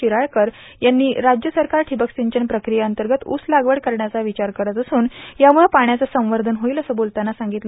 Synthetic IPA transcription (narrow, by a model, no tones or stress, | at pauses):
iɾaɭkəɾ | janːiːɾad͡ʑjəsəɾkaɾʈʰibəksiɲt͡ɕənpɾəkɾijaənt̪əɾɡət̪ṵslaɡʋəɽkəɾɳjat͡saʋit͡ɕaɾkəɾət̪əsuːnjamuɭepaɳjat͡səsə̃w̃ʋəɾd̪ʱənɦoiːləsəːbolt̪anːasãŋɡit̪l